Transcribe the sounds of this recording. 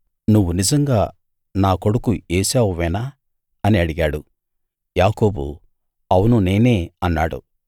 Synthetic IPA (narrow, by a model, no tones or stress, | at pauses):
nuʋːunid͡ʒɐŋɡaː | naːko̞ɽukueːsaːʋuʋɛnaː | ɐniɐɽiɡaːɽu | jaːko̞ːbṵ | ɐwunune̞ːne̞ːɐnːaːɽṵ